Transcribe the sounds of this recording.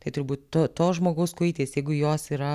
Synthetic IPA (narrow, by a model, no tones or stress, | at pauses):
t̪ɐɪt̪ʊɾbuːt̪ʲt̪ot̪oːʒmoːɡɐʊskʊɪːtʲeːsjɛɪɡʊjoːsiːɾɐ